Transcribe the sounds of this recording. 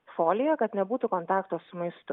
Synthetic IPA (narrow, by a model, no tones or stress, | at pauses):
foːlʲɪjɛkɐt̪nʲɛbuːt̪ʊkɔnt̪ɑːkt̪oːssʊmɐɪst̪ʊ